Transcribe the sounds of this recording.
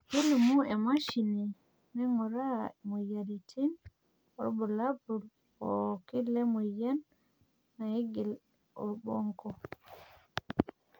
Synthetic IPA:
hilimuɛmaʃini | mɛŋɔɾamɔjaɾitʰin | ɔbɔlabuɾ | ɔkilːɛmɔjanː | ahiɡil | ɔɾbɔŋkɔ

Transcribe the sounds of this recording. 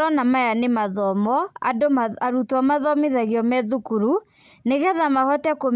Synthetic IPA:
ɾɔnamajanemaðɔmɔa̰daɾutwamaðɔmeðaɣiɔmɛðukuɾu | neɣɛðamahɔtɛkom

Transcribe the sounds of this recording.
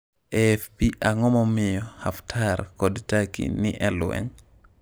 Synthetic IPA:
ʔɛfpiʔaŋɔmɔmijɔhaftʰaɾkɔdtakḭniʔɛlṵʔɛ̰n

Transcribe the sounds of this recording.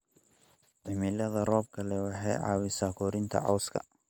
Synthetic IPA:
ʕɪmɪlɐðɐrɔːb̚kʰɐlɛwɑħɑ̰jʕɑ̰ːwɪsaːkʰɔːɾɪnt̪ʰɐ̰ʕɑ̰wskʰɐ̰

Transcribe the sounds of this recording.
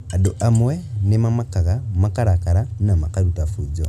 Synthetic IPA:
adoʔamwɛnemamakaɣamakaɾakaɾanamakaɾutafud͡ʒɔ̰

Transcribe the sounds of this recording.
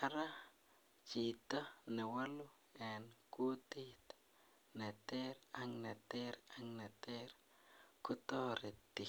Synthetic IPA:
aɾa | t͡ʃit̪anewalu | enkut̪iht̪ | net̪eɾaŋnet̪eɾaŋnet̪eɾ | kut̪oɾet̪i

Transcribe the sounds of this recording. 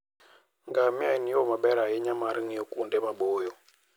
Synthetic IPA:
ŋɡamiainijɔmaɓɛɾajɛɲamaɾiŋijɔkundɛmaɓoːjɔ

